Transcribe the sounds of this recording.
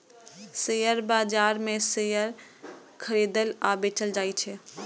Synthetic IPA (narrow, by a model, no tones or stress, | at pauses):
sejəɾbad͡ʒaɾmẽsejəɾ | kʰəɾed̪əlabet͡ʃəld͡ʒajt͡ʃʰɛ